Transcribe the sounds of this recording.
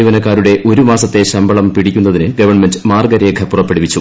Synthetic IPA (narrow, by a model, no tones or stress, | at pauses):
jʋɐnɐkːaːɾuɽe̞ʔo̞ɾumaːsɐt̪ːe̞ɕɐmbɐɭɐmpiɽikʲːunːɐðinɨɡɐʋɐɳmendɨmaːrɡɐɾɐjeɡʱɐpːurɐpːeɽiʋit͡ɕːu